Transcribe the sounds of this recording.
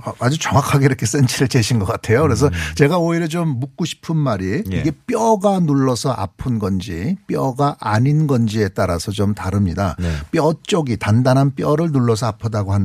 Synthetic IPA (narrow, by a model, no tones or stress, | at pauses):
aad͡ʑut͡ɕʌŋwakʰaɡeiɾʌkʰe̞s͈ent͡ɕʰiɾet͡ɕeɕʰinɡʌk͈atʰe̞jokɯɾe̞s̬ʰʌt͡ɕe̞ɡaoiɾjʌt͡ɕomːuk̚k͈oɕʰi̥pʰɯnmaɾiiɡe̞p͈jʌɡanuɭːʌsʰʌʔa̰pʰɯnɡʌnd͡ʑip͈jʌɡaʔaɲinɡʌnd͡ʑie̞t͈aɾasʰʌt͡ɕomtaɾɯmɲidap͈jʌt͡ɕ͈ʌɡitandanɦanp͈jʌɾɯɭnuɭːʌsʰʌapʰʌdaɡoɦan